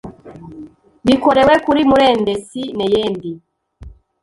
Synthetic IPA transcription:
βikoɾewekuɾimuɾeːndesinejeːndi

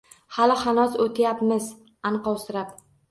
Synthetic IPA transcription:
halɪhanɒsot̪ʰajapmɪz | anqɒwsɪɾap

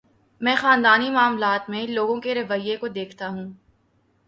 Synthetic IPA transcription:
mɛ̃ːxaːnd̪aːnimaːmlaːt̪mẽloːɡõkeɾɐʋəjːekod̪eːkʰt̪aɦũː

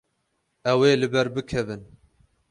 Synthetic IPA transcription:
ɛweːlɨbɛɾbɨkʰɛvɨn

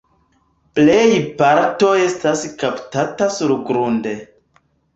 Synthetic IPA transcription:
plejpaɾto̞e̞staskaptatasuɾɡɾunde

